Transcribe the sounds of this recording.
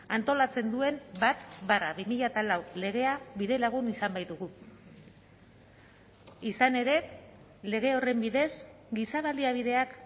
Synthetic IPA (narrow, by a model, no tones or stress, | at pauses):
ant̪o̞lat͡se̞nd̪ue̞mbat̪baraβimiʎat̪alawle̞ɣ̞e̞aβiðe̞laɣ̞unisambajðuɣu | isane̞ɾe̞ | le̞ɣ̞e̞o̞re̞mbiðe̞s | ɡisaβ̞aliaβ̞iðe̞ak